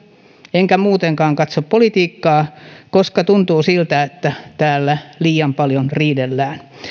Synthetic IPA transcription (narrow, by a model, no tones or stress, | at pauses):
eŋkæmuːt̪eŋkɑːŋkɑt̪soppolit̪iːkːɑːkoskɑt̪unt̪uːsilt̪æet̪ːæt̪æːlːæliːɑmpɑljonriːdelːæːn